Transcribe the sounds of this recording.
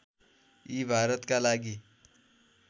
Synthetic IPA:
ibʱaɾət̪kalaɡiː

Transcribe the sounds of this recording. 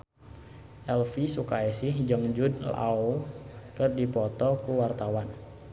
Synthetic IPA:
ʔɛlfisukaɛsɪhd͡ʒəŋd͡ʒud̚la̰okɨrdipɔt̪ɔkuwart̪awan

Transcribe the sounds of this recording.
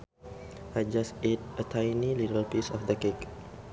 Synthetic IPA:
ʔad͡ʒaset̚ətʰajniliɾəlpisɔfd̪əkɛk

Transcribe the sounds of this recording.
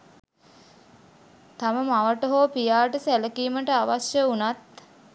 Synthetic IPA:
t̪aməmaʋəʈəɦoːpijaːʈəsæləkiːməʈəaʋasjəunat̪

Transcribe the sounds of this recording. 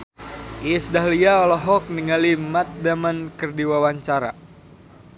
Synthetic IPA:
isdaɦliaɔlɔɦɔk̚niŋalimat̪̚damankərdiwawaɲt͡ʃaɾa̰

